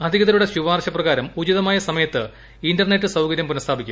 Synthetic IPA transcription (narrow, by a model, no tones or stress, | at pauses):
ɐd̪ʱiɣɐðɐluɽe̞ɕuʋaːrɕɐprɐɣaːɾɐmud͡ʑiðɐmaːjɐsɐmɐjɐt̪ːɨ | indɐrnetːɨsɐwkɐɾjɐmpunɐst̪ʰaːbikʲːm